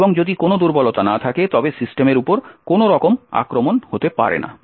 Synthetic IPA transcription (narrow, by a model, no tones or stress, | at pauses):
boŋd͡ʑod̪ikonod̪uɾbɔlot̪anat̪ʰaket̪ɔbesisʈemeɾupoɾkonoɾɔkoma̰kɾomonhot̪epa̰ɾḛna̰